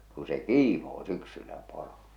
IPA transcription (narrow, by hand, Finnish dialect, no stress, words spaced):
ku se kiːmoː syksylːæ poro